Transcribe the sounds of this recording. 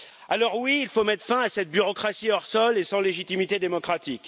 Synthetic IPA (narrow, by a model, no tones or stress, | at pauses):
alɔʁwiːlfomɛt̪χfɛ̃asɛt̪̚byʁɔkχasiɔʁsɔlesɑ̃leʒit̪imit̪ed̪emɔkχat̪ik